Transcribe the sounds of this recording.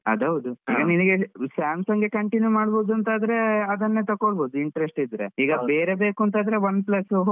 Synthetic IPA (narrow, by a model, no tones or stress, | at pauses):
ɐ̰d̪ɐʋd̪uiːɡɐniniɡesaːmsɐŋɡe̞kɐɳʈinjumaːɽbo̞ːd̪uɐnt̪aːd̪ɾe̞ɐd̪ɐnːet̪ɐkːoɭboːd̪uiɳʈɐɾesʈid̪ɾeiːɡɐbe̞ːɾe̞be̞ːkuɐnt̪aːd̪ɾe̞ʋɐnd̪plɐs